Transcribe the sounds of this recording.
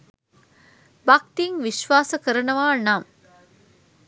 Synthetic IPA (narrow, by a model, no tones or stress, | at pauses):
bak̚t̪iŋʋiʃʋaːsəkəɾənəʋaːnaŋ